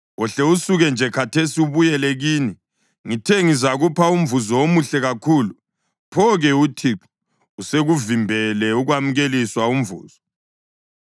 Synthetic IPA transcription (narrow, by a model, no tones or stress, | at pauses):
wɔɬɛusuɣɛnd͡ʒʱɛkʰatʰesiuβujɛlɛɣiːni | ŋitʰɛŋizaɣupʰaum̩vuzɔomuɬɛɣakʰuːlu | pʰɔɣɛutʰiǁu̥ | useɣuvimbʱɛlɛuɣwam̩ɣeliswaum̩vṵːz̥ɔ